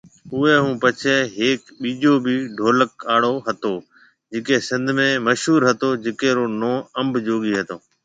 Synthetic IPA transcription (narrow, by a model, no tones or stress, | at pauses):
ʊeːɦũːpət͡ʃʰeːɦeːkɓiːʄoːbiːɖʱoːləkaːɽoːɦət̪oː | d͡ʒɪkeːsɪ̃nd̪ʱmẽːməʃɦuːɾɦət̪oːd͡ʒɪkeːɾoːnoːəmbʱd͡ʒoːɡiːɦət̪oː